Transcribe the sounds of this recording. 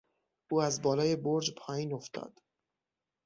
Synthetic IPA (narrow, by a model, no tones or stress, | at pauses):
ʔuːæzbɒːlɒːje̞boɾd͡ʒpʰɒːjiːno̞ft̪ɒ̰ːd̪̥